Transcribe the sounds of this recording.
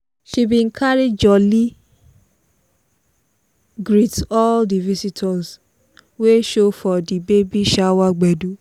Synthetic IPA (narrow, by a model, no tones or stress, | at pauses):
ʃibĩkʰaɾed͡ʒɔli | ɡɾitɔldivisitʰɔs | weʃofɔdibebiʃawaɡ͡bɛdu